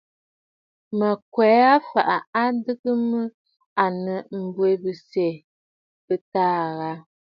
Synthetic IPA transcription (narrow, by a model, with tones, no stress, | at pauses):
mə˨kwɛ˨˦a˦fa̰˨ʔa˨a˦dɨ˦kɨ˦mə˦ | a˨nə˨m̩˨bwe˨bɨ˨sɛ˨ | bə˨taː˦ɣa˦